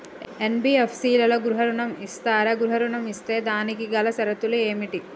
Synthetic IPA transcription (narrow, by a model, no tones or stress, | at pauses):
enbiepʰsiːlɐloɡɾuɦɐɾuɳɐmist̪aːɾɐɡɾuɦɐɾuɳɐmist̪e̞ːd̪aːnikiɡɐlɐsɐɾɐt̪ulueːmiʈi